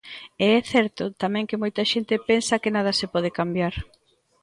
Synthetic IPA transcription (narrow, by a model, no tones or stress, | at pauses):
eɛθɛɾt̪ʊt̪amɛ̃ŋkɪmojt̪ɐʃent̪ɪpɛnsɐkɪnað̞ɐsepɔðɪkambjaɾ